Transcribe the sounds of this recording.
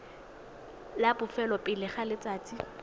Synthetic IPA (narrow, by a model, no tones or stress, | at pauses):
labʊfɛlɔpʼɪlɪχalɪt͡saːt͡sʼi